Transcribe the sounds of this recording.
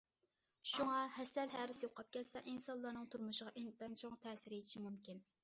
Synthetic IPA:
ʃuŋɑhɛsɛlɦæɾɪsjoqʰɑp̚kʲʰɛt̪sɛʔinsɑnlˠːɑɾnɨŋt̪ʰuɾmuʃəʁɑʔɪŋt̪ɛnt͡ʃʰoŋt̪ʰɛːsɪɾet̪ʰɪʃimumkʲin

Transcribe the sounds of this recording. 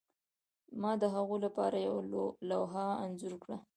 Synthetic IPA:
mɑd̪əɦaɣolapɑ̰ɾajawlawɦaanzʊɾkɽa

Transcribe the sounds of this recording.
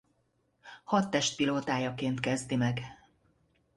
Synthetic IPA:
hɒt̪ːɛʃt̪̚piloːt̪aːjɒkeːnt̪kɛzd̪imɛɡ

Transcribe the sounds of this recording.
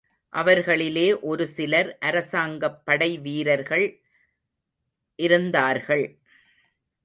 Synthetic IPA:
ʔɐʋɐɾɣɐɭɪleːʔɔɾɯsɪlɐɾʔɐɾɐsaːŋɡɐpːɐɽɐɪʋiːɾɐɾɣɐɭ | ʔɪɾɯnd̪aːɾɣɐɭ

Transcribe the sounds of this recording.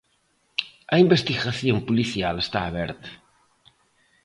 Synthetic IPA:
ɐimbest̪iɣaθjompuliθjalest̪aːβɛ̰ɾt̪ḁ

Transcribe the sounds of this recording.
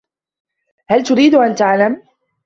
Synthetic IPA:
halt̪ʊɾiːd̪ʔant̪aʕlam

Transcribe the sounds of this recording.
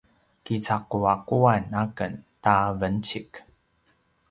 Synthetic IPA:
kit͡sakuakuanakəntavənt͡ɕik

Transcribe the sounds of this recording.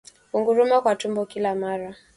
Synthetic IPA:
kuŋɡuɾumakwatumbɔkilamaɾa

